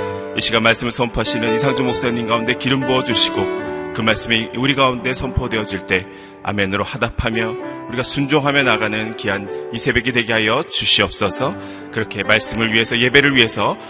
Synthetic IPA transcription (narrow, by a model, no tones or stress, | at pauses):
iɕ͈ʰiɡamaɭs͈ɯmɯɭsʰʌmpʰoaɕʰinɯnisʰaŋd͡ʑumok̚s͈aɲinɡaunde̞kiɾɯmboʌd͡ʑuɕʰiɡokɯmaɭs͈ɯmiuɾiɡaunde̞sʰʌmpʰʌdwe̞ʌd͡ʑiɭt͈e̞ | a̰menɯɾohadapʰamjʌuɾiɡasʰund͡ʑoŋɦamjʌnaɡanɯnkianisʰe̞be̞ɡidwe̞ɡeɦajʌt͡ɕuɕʰiʌp̚s͈ʌsʰʌ | kɯɾʌkʰe̞maɭs͈ɯmɯɭɥiɦe̞sʰʌje̞be̞ɾɯɭɥiɦe̞sʰʌ